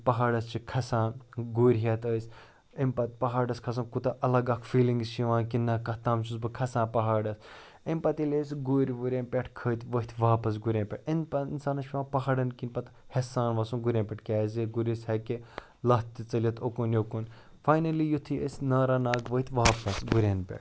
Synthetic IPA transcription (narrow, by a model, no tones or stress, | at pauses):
pɐɦaːɖɐst͡ʃʰikʰɐsãːɡuːɾʲɦɐt̪əːsʲ | impɐt̪̚pɐɦaːɖɐskʰɐsɐ̃nkut̪ɐʔɐlɐɡɐkʰfiːliŋɡst͡ʃiʋãːkinːɐkɐt̪aːmt͡ʃʰusbɨkʰɐsãːpɐɦaːɖɐs | imʲpɐt̪ilʲesɡuɾʲʋuɾʲẽːnpʲeʈʰkʰəːt̪ʰʲʋəɦit̪ʲʰʋaːpɐs̬ɡuɾʲeːnʲpʲeʈinpɐinsaːnɐʃiʋãːpɐɦɐːɖɐnkinʲpɐt̪hɐsaːnʋɐːsũnɡuɾʲẽːnʲpʲɐʈkʲaːzeɡuɾʲishɐke | lɐt̪t̪it͡sɐliɐt̪ʰokunjokun | faːjnɐlijut̪ʰiə̰sʲnɐːɾɐnaːɡʋəit̪ʰʲʋaːpɐsɡuɾʲeːnpʲḛʈ̚